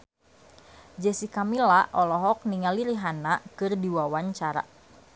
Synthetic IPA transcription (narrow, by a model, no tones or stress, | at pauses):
d͡ʒɛsikamilaʔɔlɔɦɔk̚niŋaliɾiɦanakɨrdiwawaɲt͡ʃaɾa̰